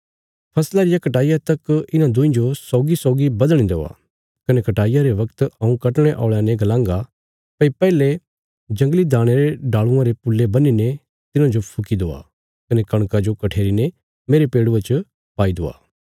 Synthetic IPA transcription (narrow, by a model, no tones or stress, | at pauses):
pʰɐslaɾɪjakɐʈaːɪjat̪ɐkɪnãd̪ʊ̃ĩd͡ʒosɔːɡisɔːɡibɐd̪ɽ̃ĩd̪oːa̰ | kɐnekɐʈaːɪjaɾeʋɐkt̪ɐũkɐʈɽ̃eʔɔ̰ːɭanẽɡɐlãːŋɡa | pɐipɛːle | d͡ʒɐ̃ŋɡlid̪ʱaːɽ̃eɾeɖaːɭʊ̃ãɾepʊlːebɐnine | t̪ɪnãd͡ʒopʰʊkid̪oːa̰ | kɐnekɐɽ̃kad͡ʒokɐʈʰeːɾine | meːɾepeːɽʊet͡ʃ | paːid̪oːa̰ː